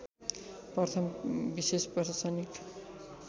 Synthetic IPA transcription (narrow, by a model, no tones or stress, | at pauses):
pʌrt̪ʰʌmbisespʌrt̪ʰʌt͡sʌnik